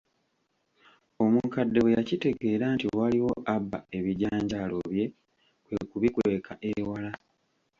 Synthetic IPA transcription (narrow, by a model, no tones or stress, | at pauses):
o̞muŋkadːe̞wejacite̞ɡe̞ːɾaːntiwaliwo̞ʔabːa̰e̞βiɟaːɲɟalo̞βje̞ | kwekuβikwe̞ːkʰaʔewala